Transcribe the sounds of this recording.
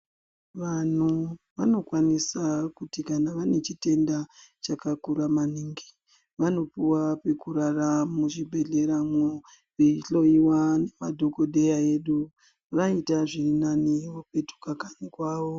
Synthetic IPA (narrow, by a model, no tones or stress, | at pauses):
ʋan̤u | ʋano̞kwanisakutikanaʋane̞t͡ʃite̞ndat͡ʃakakuɾamaniŋɡi | ʋano̞puwape̞kuɾaramuʐibʱe̞ɮe̞ɾaŋwo | ʋeiɬo̞iwane̞madʱo̞ko̞ɗe̞jae̞ɗu | ʋaitaʐinaniope̞tu̥kakanikwaːʋo̞